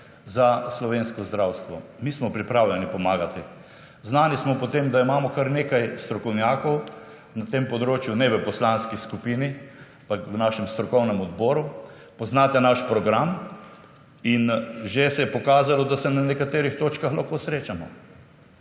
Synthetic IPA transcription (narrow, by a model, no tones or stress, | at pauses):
zaslɔʋeːnskɔzd̪ɾawst̪ʋɔmismɔpɾipɾawlʲɛnipɔmaːɡat̪i | znaːnismɔpɔt̪emd̪aimaːmɔkaɾnekajst̪ɾɔkɔwnjaːkɔw | nat̪empɔd̪ɾoːt͡ʃjunɛʋəpɔslanskiskupiniapakwnaʃɛmst̪ɾɔkɔwnɛmɔd̪̚bɔːɾu | pɔznat̪ɛnaʃpɾɔɡɾam | inʒesɛjɛpɔkaːzalɔd̪asɛnanɛkat̪eːɾixt̪oːt͡ʃkaxlaxkosɾeːt͡ʃamɔ